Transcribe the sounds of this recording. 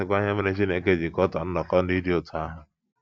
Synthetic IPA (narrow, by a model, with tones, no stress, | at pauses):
ɪ˨kʷa˦ɲ˦a˦me˦ne˦t͡ʃ̬i˦n˦e˦ke˦˨d͡ʒi˨kɔ˦tɔ˨n̩˦nɔ˨kɔ˦n̩˦di˦di˦o˨tʰʊ˨a˦ɦʊ˦